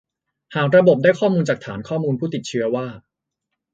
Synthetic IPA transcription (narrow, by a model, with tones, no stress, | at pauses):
haː˨˩k̚ɾa˧bo˨˩p̚daː˥˩kʰɔː˥˩muː˧nt͡ɕaː˨˩k̚t̪ʰaː˩˦nkʰɔː˥˩muː˧npʰuː˥˩t̪i˨˩t̪̚t͡ɕʰɯ˧ɐwaː˥˩